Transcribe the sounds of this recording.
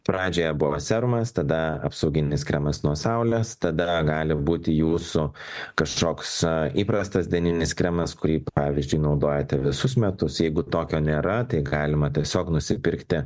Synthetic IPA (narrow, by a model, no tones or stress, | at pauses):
pɾɑːd͡ʒʲoːjɛbʊʋoːsʲɛɾʊmɐst̪ɐd̪ɐɐ̰psɐʊɡʲɪnʲɪskɾʲɛmɐsnuɔsɐʊlʲeːst̪ɐd̪ɐɡɑːlʲɪbuːt̪ʲɪjuːsʊkɐʃkoːksiːpɾɐst̪ɐsd̪ʲɛnʲɪnʲɪskɾʲɛmɐskʊɾʲiːpɑːʋʲɪzʲd͡ʒʲʊɪnɒʊd̪oːjɛt̪ʲɛʋʲɪsʊsmʲɛt̪ʊsjɛɪɡʊt̪oːkʲoːnʲeːɾɐt̪ɐɪɡɑːlʲɪmɐt̪ʲiɛsʲoːknʊsʲɪpʲɪɾʲkt̪ʲɪ